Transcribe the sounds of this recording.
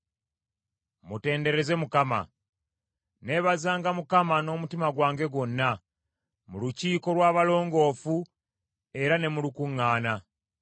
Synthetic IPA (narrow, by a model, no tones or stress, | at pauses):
mute̞ːnde̞ɾe̞ze̞mukama̰ | ne̞βazaːŋɡamukamano̞ːmutimaɡwaːŋɡe̞ɡwo̞nːa | muluciːko̞lwaːβalo̞ːŋɡo̞ːfu | e̞ɾane̞mulukuŋːaːna